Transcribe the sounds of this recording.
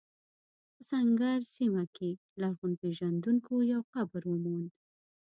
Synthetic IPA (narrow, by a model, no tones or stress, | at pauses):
pəsaŋɡaɾsimake | laɣunpeʒand̪uŋkojawxabəɾwəmond̪